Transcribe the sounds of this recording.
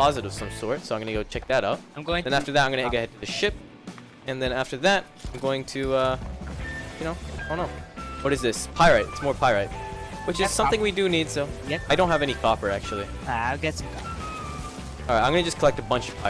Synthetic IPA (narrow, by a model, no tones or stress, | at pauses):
pɑzɨɾɨv̥sʌ̃msɔɹtsoʊaɪ̃mɡʌnɨɡoʊt͡ʃʰɛk̚ðɨɾʌʊt̚ɪ̃mɡoʊɪ̃ðɨ̃ñæftə˞ðɨɾaɪ̃mɡʌñɨɡoʊhɛd̚tʰɨðɨʃɪp̚ | ɨ̃nðɨ̃næftə˞ðɨt̚ | ãɪ̃mɡoʊɪ̃ŋtʰɨʌ | jɨnoʊdõnːoʊwʌɾɨzðɪspʰaɪɹɨtɨtsmɔɹpʰaɪɹat̚ | wɨt͡ʃɨzz̥sʌ̃mθɪ̃ŋwidɨnid̥soʊjɛaɪɾõʊ̃nɦɨvɛnikʰɑpə˞æk̚t͡ʃul̩ˠi | ɡɛtskʰɑ | lˠaɪʔaɪ̃mɡʌnɨd͡ʒʌskʰəlɛk̚təbʌ̃nt͡ʃʌv̥pʰaɪ